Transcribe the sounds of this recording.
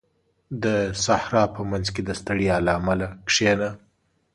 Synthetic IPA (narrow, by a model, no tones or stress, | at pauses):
d̪əsahɾɑpəmanzked̪əst̪əɽijɑlaːmalakʂena